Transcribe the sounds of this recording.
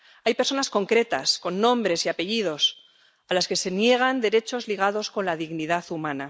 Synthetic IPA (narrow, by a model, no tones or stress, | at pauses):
ajpeɾso̞nasko̞ŋkɾe̞t̪asko̞nːõ̞mbɾe̞siape̞ʝið̞o̞s | alaske̞se̞nje̞ɣ̞and̪e̞ɾe̞t͡ʃo̞zliɣ̞aðo̞sko̞nlaðiɣniðaθumãna